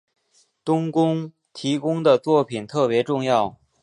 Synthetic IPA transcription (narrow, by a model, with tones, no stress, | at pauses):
t̪ʊ˥ŋkʊ˥ŋ | t̪ʰi˧˥kʊ˥ŋd̪ə˨t͡swɔ˥˩pʰi˨˩nt̪ʰɤ˥˩pjɛ˧˥ʈ͡ʂʊ˥˧ŋjɑ˥˩ʊ